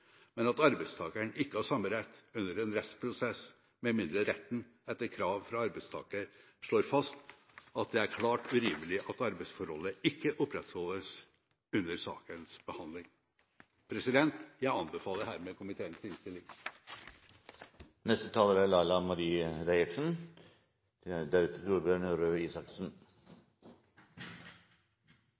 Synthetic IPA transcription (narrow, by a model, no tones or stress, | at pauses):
mɛnɑt̪ɑɾbæɪst̪ʰɑːkəɳɪkːəhɑʂɑmːəɾɛt̪ːʉnːəɾɛnɾɛt̪spʰɾʊsɛs | mɛmɪnd̪ɾəɾɛt̪ːn̩ | ɛt̪ːəɾkʰɾɑːʋfɾɑɑɾbæɪst̪ʰɑ̰ːkəɾ | ʂɭoːɾfɑst̪ | ɑt̪̚d̪ɛæɾkʰlɑːʈʉɾiːməlɪʔɑt̪ɑɾbæɪsfɔɾhɔlːəɪkːəʔʊpɾɛt̪hɔləs | ʉnːəɾsɑ̰ːkənsb̥əhɑnd̪lɪŋ | pʰɾɛsɪd̪ɛnt̪jæɪɑnbəfɑːləɾhæːɾmeːkʰʊmɪt̪ʰeːənsɪnst̪ɪlɪŋ | nɛst̪ət̪ʰɑːləɾæɭɑɪlɑmɑɾiːəɾæɪɪksn | d̪æɾʉt̪ʰət̪uːɾbʏɑɳuɾøːiːsɑksn̩